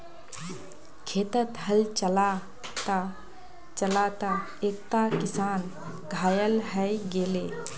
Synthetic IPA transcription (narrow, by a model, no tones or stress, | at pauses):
kʰeːt̪ət̪ɦəlt͡ʃəla | t̪a | t͡ʃəlat̪a | eːk̚t̪akɪsaːn | ɡʱaːjəlɦəjɡeːleː